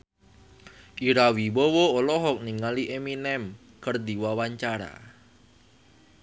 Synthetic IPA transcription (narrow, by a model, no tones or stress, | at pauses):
ʔiɾawiwɔwoolɔɦɔk̚niŋaliʔeminɛm | kərd̪iwawaɲt͡ʃaɾa̰